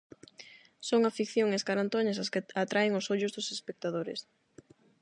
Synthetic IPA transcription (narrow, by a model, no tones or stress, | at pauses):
soŋafikθjoŋeskaɾant̪oɲasaskɪat̪ɾaɪŋʊsoʎʊzðʊsespek̚t̪aðoɾḛs